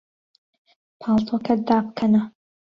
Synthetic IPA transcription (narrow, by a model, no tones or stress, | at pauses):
pʰɑːlˠt̪ʰokʰɐd̪aːb̚kʰɐnɐ